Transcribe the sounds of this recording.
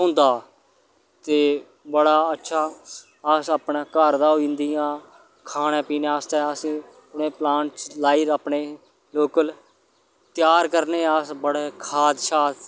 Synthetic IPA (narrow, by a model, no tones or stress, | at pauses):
ɦõnd̪aː | t̪eː | bəɽaːətːʃʰaː | əsaːpɳaːkəɾd̪aːoind̪iːãː | kʰaːnẽːpiːneast̪ɛːəsĩː | ʊnẽːplãːɳʈt͡ʃlaːiːɾaːpɳeː | loːkəl | t̪ɪjaːɾkəɾneːəsbəɽeːkʰaːd̪ʃaːt̪